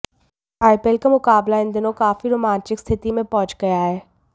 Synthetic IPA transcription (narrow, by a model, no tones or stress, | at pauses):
aːɪpelkamʊkaːblaɪ̃nd̪ɪnõkaːfiɾoːmãːnt͡ʃɪkst̪ʰɪt̪imẽpɔɦt͡ʃɡɐjaɦɛː